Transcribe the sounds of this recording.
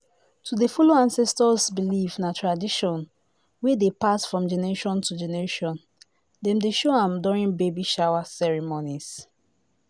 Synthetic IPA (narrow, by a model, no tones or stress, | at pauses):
tudefuloãnsɛstɔsbilifnatɹadiʃɔ̃n | wedepasfɹɔ̃md͡ʒɛnɛɹeʃɔ̃ntʰud͡ʒɛnɛɹeʃɔ̃n | dɛ̃mdeʃoãmdɔɹĩnbebiʃaʊwasɛɹimonis